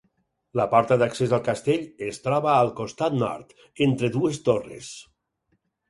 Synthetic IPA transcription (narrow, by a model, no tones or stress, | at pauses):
lapɔɾt̪aðaksezalˠkast̪eʎest̪ɾɔβaːlˠkost̪at̪nɔ̰ɾt̪ | ent̪ɾeðuest̪orḛs